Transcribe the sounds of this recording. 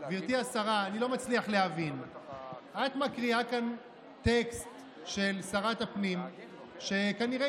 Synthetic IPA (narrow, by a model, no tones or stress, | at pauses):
viʁt̪iasaʁaːnilo̞mat͡sliaχleɦavin | ʔat̪makʁiakan | te̞kst̪ | ʃe̞lsaʁatapnim | ʃe̞kaniʁe